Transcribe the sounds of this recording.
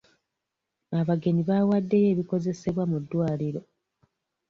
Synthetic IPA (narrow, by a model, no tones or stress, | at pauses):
aβaɡe̞niβaːwadːe̞je̞ːβiko̞ze̞se̞βwamudːwaːliɾo̞